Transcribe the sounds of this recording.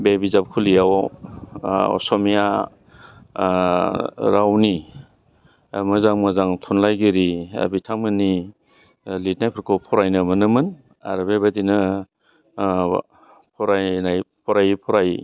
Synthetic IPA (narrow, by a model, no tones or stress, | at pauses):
bebizap̚kʰulijaw | ɔ̰sɔmija | ɾawni | mɯzaŋmazaŋtʰunlajɡiɾia̰bitʰaŋmɯni | lit̚najpʰɯɾkɔpʰɔɾajnɯmɯnɯmɯn | a̰ɾɯbebadinɯ | pʰɔɾajnajpʰɔɾajpʰɔɾaj